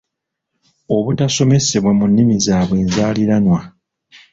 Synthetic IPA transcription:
o̞βutaso̞me̞se̞βwamunːimizaːβwe̞ːnzaːliɾanwa

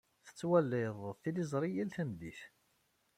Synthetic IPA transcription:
θə̥t͡sːwælːɪðˤθilizˤɾˤijælθæmd̪iθ

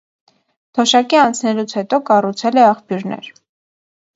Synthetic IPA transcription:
t̪ʰɔʃɑkiɑnt͡sʰnɛlut͡sʰhɛt̪ɔkɑrut͡sʰɛlɛɑχpjuɾnɛ̰ɾ

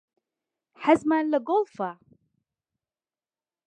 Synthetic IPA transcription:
ħazmaːnləɡolˠfa

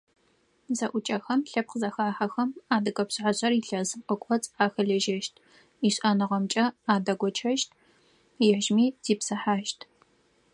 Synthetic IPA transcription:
zɐʔʷʊt͡ʃʼɐxɐmɬɐp̚qəzɐxaːħɐxɐmaːdɨkʼɐpɕʕaɕʼɐriɬɐzɨqʷʼɔkʷʼɔt͡sʼaːxɐɮɐʒɐʃtʰʼ | iɕʼʔaːnɨʁɐmt͡ʃʼɐaːdɐɡʷɔt͡ʃʰɐʃtʰ | jɪħʒmiːz̥iːpsɐħaːʃtʰ

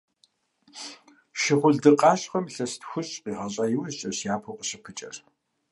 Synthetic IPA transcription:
ʃɪχʷʊɮdɨqʼɑːɕχɐmɬɐstxʷʊɕʼqiːʁɐɕʼaːjɪwzɕʼɐɕjaːpʰoqəɕɪpʰɨt͡ʃʼɐ̰r

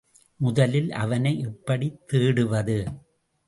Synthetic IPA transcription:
mʊðɐlɪlʔɐ̰ʋɐnɐɪʔɛpːɐɽit̪ːeːɽɯʋɐðɯ

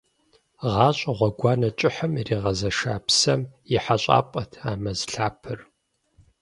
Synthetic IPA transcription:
ʁɑːɕʼɐʁʷɔɡʷɑːnɐt͡ʃʼɪħəmiriːʁɐzɐʃaːpʰsɐmjɪħaɕʼa̰ːpʼɐtʰaːmɐzɬaːpʰɨr

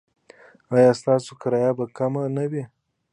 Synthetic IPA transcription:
ajɑst̪ɑsokaɾɑjabakamanawi

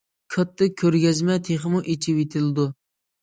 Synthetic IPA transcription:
kʰɑt̪ʰːɨkʲʰːøɾɡʲɛzmɛt̪ʰeχɨmuʔit͡ʃʰiwet̪ʰɪlɨd̪u

